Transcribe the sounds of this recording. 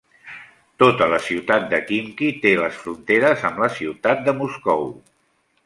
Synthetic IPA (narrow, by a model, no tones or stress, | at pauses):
t̪ot̪ələsiwt̪at̪̚d̪əkiŋkit̪eləsfɾunt̪eɾəzəmləsiwt̪at̪̚d̪əmuskɔw